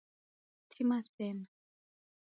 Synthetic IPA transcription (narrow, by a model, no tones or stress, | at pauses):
tʰimasɛna